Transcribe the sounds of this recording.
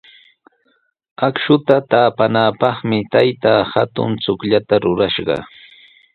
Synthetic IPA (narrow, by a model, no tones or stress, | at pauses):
akʃʊt̪at̪aːpanaːpɑχmɪt̪ajt̪aːhat̪ʊ̰nt͡sʊkʎat̪aɾʊɾaʃɢɑ̰